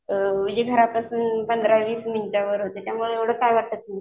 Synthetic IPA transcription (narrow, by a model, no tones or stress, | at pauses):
ʋid͡ʑeɡʱəɾapasuːnpənd̪ɾaʋiːsmənt͡ɕaʋəɾɦot̪et̪jamuɭeeʋɽ̤əːkajʋaɽt̪ət̪nə